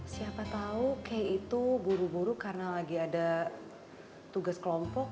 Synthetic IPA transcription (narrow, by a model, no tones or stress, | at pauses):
siapat̪aukajit̪ubuɾubuɾukarənalaɡiada | t̪uɡaskəlɔmpɔk̚